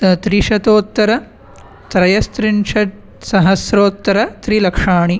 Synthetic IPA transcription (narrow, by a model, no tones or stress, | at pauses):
t̪ɾiʃɐt̪oːt̪ːɐɾɐ | t̪ɾɐjɐst̪ɾinʃɐ | sɐɦɐsɾoːt̪ːɐɾɐt̪ɾilɐkʂaːɳi